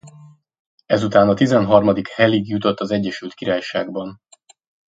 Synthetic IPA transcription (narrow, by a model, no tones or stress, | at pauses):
ɛzut̪aːnɒt̪izɛnɦɒrmɒd̪ikhɛliɡjut̪o̞t̪ːɒzɛɟːɛʃylt̪kiɾaːjʃaːɡbɒn